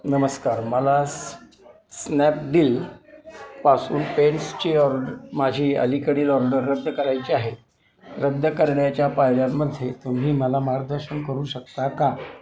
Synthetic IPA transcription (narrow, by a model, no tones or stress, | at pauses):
nəməskaɾməla | snɛp̚ɖiːl | pasṵːnpeɳst͡ɕiːɔɾɖɾmad͡ʑʱiːə̰likəɽiːlɔɾɖəɾːəd̪ʱːəkəɾajt͡ɕiaɦe | ɾəd̪ʱːəkəɾɳjat͡ɕjapajljamːəd̪ʱːjet̪um̤iːməlamaɡd̪əɾɕənkəɾuːɕək̚t̪aka